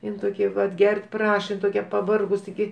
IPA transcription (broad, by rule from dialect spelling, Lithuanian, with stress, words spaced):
ˈɪn toːˈkʲɛ ʋɐt ˈɡʲɛrʲtʲ ˈprɑːʃɐ ɪn toːˈkʲɛ pɐˈʋɐrɡʊs tʲɪˈɡʲɪ